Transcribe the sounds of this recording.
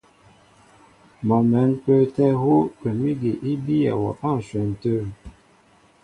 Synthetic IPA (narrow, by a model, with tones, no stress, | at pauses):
mɔ˨mɛ˨˦npə˦tɛ˦ɦo˦kɛ˨mi˦ɡe˨ʔi˦bi˦ja̰˨wɔ̰˨ʔa˦˨n̩˨swɛ˨n˨tə˦ɾ